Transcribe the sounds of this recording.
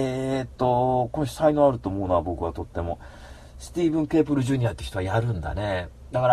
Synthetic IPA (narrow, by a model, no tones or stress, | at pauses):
et̪ːo̞konoɕi̥sainoaɾɯ̟t̪o̞ːmo̞ːɯnoabo̞kɯ̟βat̪o̞t̪ːe̞mo̞ | sɨ̥t̪ʲiːbɯ̟̃ŋke̞ːpɯ̟ɾɯ̟ʑɨːɲ̟iat̪e̟ç̥i̥t̪o̞βajaɾɯ̟̃nd̪a̰ne̞ | d̪akaɾa